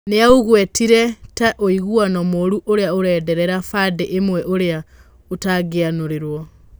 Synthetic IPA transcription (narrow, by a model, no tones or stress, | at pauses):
neauɣwɛtiɾɛtaʔoiɣuanɔmoɾuʔoɾeaoɾɛːdɛɾɛɾafadeʔemwɛʔoɾea | otaɡeanoɾeɾwɔ